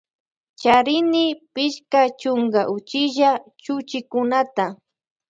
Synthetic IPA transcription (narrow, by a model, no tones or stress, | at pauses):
t͡ʃaɾɪnɪpɪʃkat͡ʃʊŋɡaʔʊt͡ʃɪʒat͡ʃʊt͡ʃɪkʊnat̪a